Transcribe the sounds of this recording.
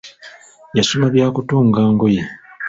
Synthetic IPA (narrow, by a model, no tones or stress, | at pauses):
jasumaβjaːkutuːŋɡaːŋɡoje